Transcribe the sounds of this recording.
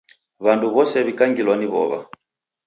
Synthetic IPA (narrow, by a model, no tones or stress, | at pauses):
βanduβɔsɛβikaŋɡilwaniβɔ̰βa̰